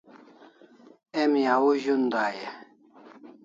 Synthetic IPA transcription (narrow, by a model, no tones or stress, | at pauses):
emjawuʑund̪aːje